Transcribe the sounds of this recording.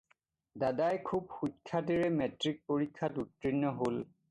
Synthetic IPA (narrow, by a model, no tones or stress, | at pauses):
dadajkʰub̚xukʰːat̬iɹɛmɛtɹik̚poɹikʰːatutɹinːɔɦol